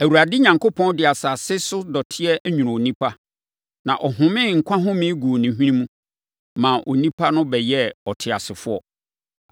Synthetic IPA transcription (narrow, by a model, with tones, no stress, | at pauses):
æ˨wu˨ɾa˨dɪ˦ɲã˨ŋkʰo˦pʰɔ̃˦ndɪ˨a˨sa˨sɪ˦sʊ˦dɔ˨tʰɪ˦ɛ˦ʔɲũ˨nʊ̃˨o˨nĩ˦pʰa˦ | nã˨ʔɔ˨ɦʊ̃˨mɪ̃˦ŋ̩˨kʷʰã˦ɦʊ̃˦mɪ̃˦ɡu˨o˨nĩ˨ɦĩ˦nĩ˦mũ˦ | mãː˨ʔo̰˨nĩ˦pʰa˦nʊ̃˦bɛ˨jɛ˦ɔ˨tʰɪ˨a̰˨sɪ˨fʊ˦ɔ̰˨